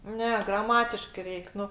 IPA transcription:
ˈnʲɛ ɡrɐˈmɑːtʲɪʃkɜ ˈrʲɛɪk ˈnʊ

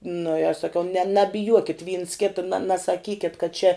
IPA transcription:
nʊ ɪ ɐʃ sɐˈkʲɛʊ nʲɛ nɐbʲɪˈjuɔkʲɪt ʋʲiːns ˈkʲɪtɐ nɐ nɐsɐˈkʲiːkʲɛt kɐt t͡ʃʲɛ

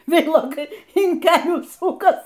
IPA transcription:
ˈʋʲɛɪlˠoːkɐɪ ɪn ˈkʲæːlʲuː ˈsʊkɐs

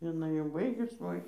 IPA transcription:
jɪˈnɐɪ jɛʊ ˈbɐɪɡʊs ˈʋoːɪ

